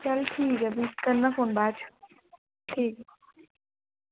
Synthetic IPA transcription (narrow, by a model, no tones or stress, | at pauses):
t͡ʃɐlʈʰiːkɐbʱikɐnːafoːnbaːt͡ʃʰ | ʈʰiːk